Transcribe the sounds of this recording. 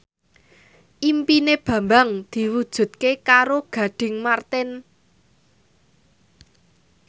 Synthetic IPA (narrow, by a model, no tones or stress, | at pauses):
ʔimpineb̥ä̤mbaŋd̪̥i̤wud̥ʒ̥ṳt̪̚kekaɾoɡ̥ä̤ɖ̪̥ɪ̤ŋmart̪ɪn